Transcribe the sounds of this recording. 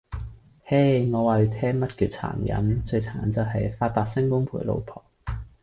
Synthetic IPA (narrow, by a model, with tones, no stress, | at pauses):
he˥˩jŋɔː˨˧waː˨jy˨˧t̪ʰɛː˥mɐ˥t̚kʰyː˨˧t̚t͡sʰa̰ː˨˩njɐ̰˨˥nt͡ʃɵ˧ɥt͡sʰaː˨˩nt͡sɐ˨wɦɐ˨jfaː˧t̚t̪aː˨˧t̚sɪ˥ŋkʊ˥ŋpʰuː˨˩jlo̰˨˧wpʰɔː˨˩ŋ